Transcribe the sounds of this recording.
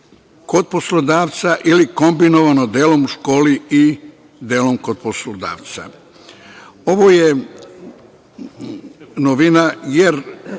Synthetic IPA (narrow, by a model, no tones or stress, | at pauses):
ko̞d̪̚poslˠod̪aːʋt̪saʔiliko̞mbinoʋanod̪eːlo̞muʃko̞ːlii | d̪eːlo̞mkod̪̚poslod̪a̰ːʋt̪sa̰ | o̞ʋoje | noʋinajeɾ